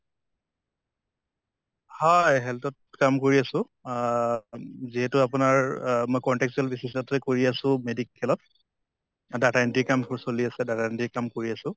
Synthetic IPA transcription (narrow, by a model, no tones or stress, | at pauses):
hɔjɦɛltɔtkamkoɹiasʊ̃ | ziɦɛtʊapʊnaɹmojkɔntɛksɛlbisisatɛkoɹiasʊ̃medikʰːɛlɔt | datantikamtʰʊɹsoliasɛdatantikamkoɹiasʊ̃